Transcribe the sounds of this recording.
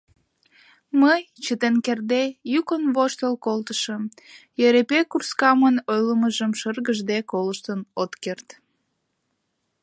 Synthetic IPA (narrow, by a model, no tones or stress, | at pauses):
məj | t͡ɕət̪enkerd̪ejukənβoʃt̪əlkolt̪ə̥ʃə̆m | jøɾepekurskɑmənojləməʒəmʃərɣəʒd̪ekoləʃt̪ənot̪kert̪